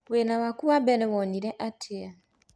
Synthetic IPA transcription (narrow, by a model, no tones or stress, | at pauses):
wenawakuwabɛɾɛwɔniɾɛʔatʰea